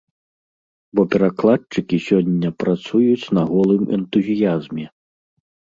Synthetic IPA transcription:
bɔpʲɛɾaklˠat͡ʂɨkʲisʲɔnʲːɐpɾat̪sujut͡sʲnɐɣɔlˠɨmɛ̰nt̪uzʲijazmʲɛ

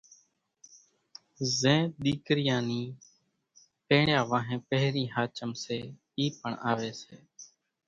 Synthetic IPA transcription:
zẽːɗ̪iːkɾɪjãːniː | pẽːɳjaːʋãːɦẽːpəɦɾiːɦaːt͡ʃəmseː | iːpəɳʔaːʋeːseː

